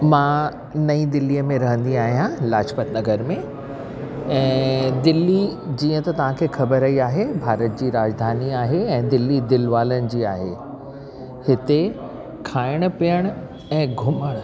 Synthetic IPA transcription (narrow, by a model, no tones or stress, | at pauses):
mã | nɐid̪ɪlːijəmẽɾɐɦə̃nd̪iaːɦijãlaːt͡ɕpət̪nɐɡəɾmẽ | ɛ̃ːd̪ɪlːid͡ʑĩːə̃t̪ɐt̪ɐʋ̤ãkʰeːxɐbəɾɐiaːɦebʱaːɾət̪̚d͡ʑiːɾaːd͡ʑd̪ʱaːniaːɦeɛ̃ːd̪ɪlːid̪ɪlʋaːlənɪ̆d͡ʑiːa̰ːɦḛ | hɪt̪e | kʰaːɪɽ̃ʊ̆pijəɽ̃ | ɛ̃ːɡʱʊməɽ̃